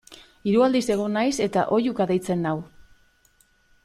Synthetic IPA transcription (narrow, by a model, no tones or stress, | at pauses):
iɾuald̪ise̞ɣ̞o̞najse̞t̪a̰ʔo̞jukaðejt͡se̞nːaw